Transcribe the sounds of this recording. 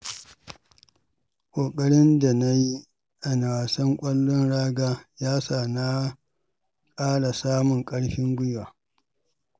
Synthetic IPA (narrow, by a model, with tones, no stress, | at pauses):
kʷʼoː˨kʼɐ˦ɽɪ˦nda˨na˦ji˦ | ʔa˨na˨waː˨sɐ˦ŋkʷʼɐ˦lːʊ˦nɽaː˦ɡaː˦jaː˦saː˨na˦ | kʼaː˦ɽa˨saː˦mʊ˨ŋkʼɐ˦ɽɸɪ˦ŋɡʷʊ˦jwaː˨